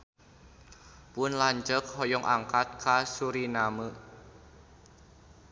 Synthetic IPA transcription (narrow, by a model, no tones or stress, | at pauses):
pʊnlaɲd͡ʒəkhɔjɔŋʔaŋkat̪̚kʰasuɾinamə